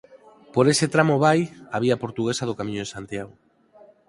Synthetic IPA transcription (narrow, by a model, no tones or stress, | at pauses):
poɾeset̪ɾamoβajaβiɐpoɾt̪uɣesɐð̞okamĩɲoesant̪jaɣʊ